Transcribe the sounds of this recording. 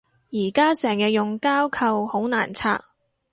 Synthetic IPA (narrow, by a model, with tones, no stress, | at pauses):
jiː˨˩kaː˥sɛː˨˩ŋjɐ˧jʊ˨ŋkaː˥wkʰɐ˨˧who˨˥wna̰ː˨˩nt͡sʰa̰ː˧˥k̚